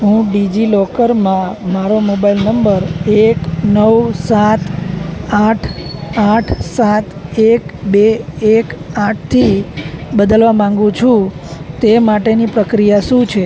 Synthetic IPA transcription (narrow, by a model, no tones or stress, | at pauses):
ɦũɖid͡ʒilɔkəɾmãmaɾomobailnəmbəɾeknəwsat̪aʈʰaʈʰsat̪ekbeekãʈ̚ʰt̪ʰibəd̪əlʋamãŋɡũt͡ʃʰũt̪emaʈenipɾəkɾijaʃũt͡ʃʰe